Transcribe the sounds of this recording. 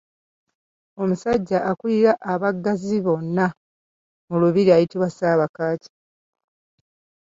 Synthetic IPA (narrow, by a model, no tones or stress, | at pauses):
o̞musaɟːaʔakuliɾaʔːβaɡːaziβo̞nːa | muluβiɾiajitiβwasaːβakaːci̥